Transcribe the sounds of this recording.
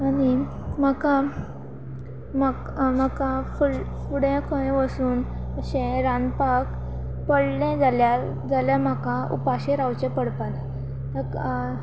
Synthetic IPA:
aɽ̃i | m̤aka | makm̤əkafulfuɽẽkʰoɽẽʋəsuːnəɕẽɾanpak | pəɽlɛ̃d͡zalja | d͡zaljam̤akaṵpaɕẽɾawt͡ɕepəɽpana | t̪ək

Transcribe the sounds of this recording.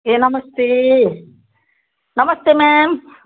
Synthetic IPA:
eːnɐmɐst̪eː | nɐmɐst̪eːmeːm

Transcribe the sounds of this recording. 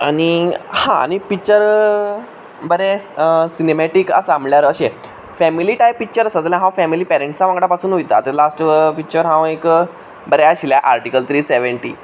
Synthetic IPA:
añihã̰a̰ñipik̚t͡ɕəɾ | bəɾɛsinemɛʈikə̰samljaɾəɕe | fɛmiliʈajpːik̚t͡ɕəɾəsəd͡zljãɦãwfɛmiliːpɛɾeɳʈsaʋãŋɡɽapasuːnɦojt̪a̰t̪elasʈpik̚t͡ɕəɾɦãek | bəɾɛaɕiljaʔaɾʈikəlt̪ʰɾiːseʋəɳʈiː

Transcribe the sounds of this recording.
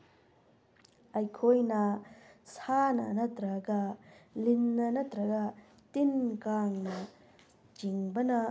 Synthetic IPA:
ɐjkʰojnɐsanɐ̰nɐt̪ɾɐɡɐlinːɐnɐt̪ɾɐɡɐ | tinkaŋnɐ | t͡ʃiŋbɐnɐ

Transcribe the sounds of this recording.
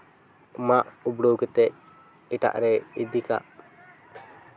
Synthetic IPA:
maʔubɽowkɛt̪ɛc̚ | iʈa̰ʔɾɛid̪ika̰ʔ

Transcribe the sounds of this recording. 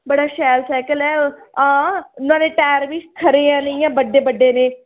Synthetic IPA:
bəɽaːʃɛːlsaːkəlɛːãːnãːnẽːʈɛːɾʋɪʃkʰəɾeːɛ̃ːnijãːbəɖːeːbəɖːeːneː

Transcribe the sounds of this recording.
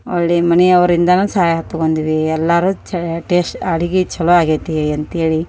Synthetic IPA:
oɭːemɐniɐʋɐɾind̪ɐnuːsaːjɐɦɐt̪ːukond̪iʋiɛlːaɾuːt͡ʃɐʈeːsʈɐɽiɡit͡ʃʰɐloaːɡeːt̪iiɐnt̪eːɭi

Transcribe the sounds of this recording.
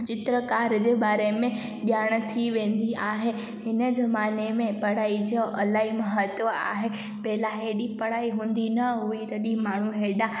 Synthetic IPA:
t͡ɕɪt̪ɾəkaːɾd͡ʑeːɓaːɾemẽ | ɗjaːɽ̃t̪ʰiʋẽːn̆d̪iʔaːɦe | hɪnəzɐmaːnemẽpɐɽ̤aːid͡ʑəʔɐlaːɦimɐɦət̪ʋəa̰ːɦe | pɐɦɪlaɦeːɗipɐɽ̤aːiɦũːn̆d̪inɐɦuit̪ɐɗimaːɳ̤uɦeːɗa

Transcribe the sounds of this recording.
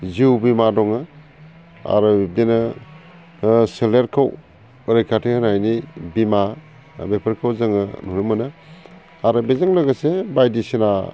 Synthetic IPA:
ziwbimadɔŋɯ | a̰ɾɯbip̚denɯ | seleɾkʰaw | ɾejkʰatʰehɯnajnibima | bepʰəɾkʰawzɯŋɯnunɯmɯnɯ | aɾɯbezaŋlaɡɯsebajdisina

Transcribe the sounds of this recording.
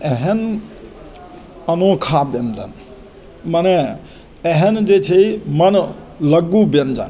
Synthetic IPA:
eɦen | ənokʰabjənd͡ʒə̰n | məne | eɦend͡ʒet͡ʃʰimən | ləɡubənd͡ʒə̰n

